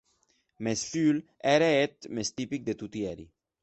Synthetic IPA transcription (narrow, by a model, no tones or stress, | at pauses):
mesfyl | ɛɾeet̪mest̪ipik̚d̪et̪ut̪jɛɾi